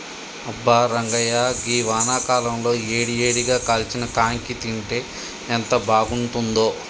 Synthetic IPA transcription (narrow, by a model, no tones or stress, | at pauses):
ɐbːaːɾɐŋɡɐjaːɡiːʋaːnaːkaːlɐmlo̞ːeːɽijeːɽiɡaːkaːlt͡ʃinɐkaːŋkit̪iɳʈeː | nt̪ɐbʱaːɡuɳʈund̪o̞ː